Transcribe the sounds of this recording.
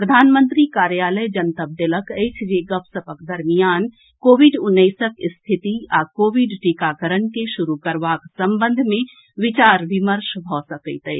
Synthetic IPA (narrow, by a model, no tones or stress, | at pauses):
pɾəd̪ʱaːnmənt̪ɾikaːɾjaləjd͡ʒənt̪əb̚d̪eləkəjt͡ʃʰd͡ʒeɡəpsəpəkd̪əɾmijaːn | koːʋiɖʊnːəjsəkst̪ʰit̪iakoːʋiɖʈikakəɾənkeʃuɾukəɾʋaksəmbə̃nd̪ʱmẽ | ʋit͡ʃaɾʋiməɾʃbʱɔsəkəɪt̪ə